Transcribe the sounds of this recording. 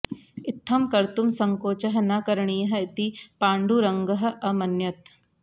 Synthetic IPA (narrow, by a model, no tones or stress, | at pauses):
ɪt̪ʰːɐmkɐɾt̪umsɐŋkoːt͡ʃɐɦɐ̆naːkɐɾɐɳiːjɐɦɐ̆it̪ipaːɳɖuɾɐŋɡɐɦɐ̆ʔɐmɐnjɐt̪